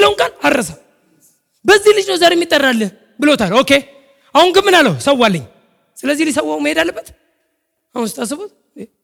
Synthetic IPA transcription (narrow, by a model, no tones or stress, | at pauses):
lːəwuŋkʼanaɾɾəsa | bəzːihlɨd͡ʒnəwzaɾeɛmːit̪ʼːərːalːən | bɨlo̞t̪ʰalo̞ke | ahunɡɨmːɨnalːəwsəwːalːəɲː | sɨləzːihlisəwːaməhe̞d̪alːəbːət̪ | ahunsɨt̪ʰʼas̬ɨβot̪ | e